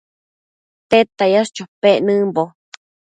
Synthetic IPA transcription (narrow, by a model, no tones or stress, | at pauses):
t̪et̪ajast͡ʃopeʔnɨ̃mbo